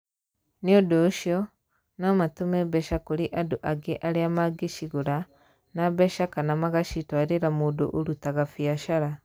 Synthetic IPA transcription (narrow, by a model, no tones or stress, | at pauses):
niodoʃjɔ | namatumebɛʃakuɾiʔadoʔaɡeʔaɾiamaɡiʃiɣuɾa | naβɛʃakanamaɣaʃitwaɾeɾamuːdo̰ʔoɾutaɣafiaʃaɾa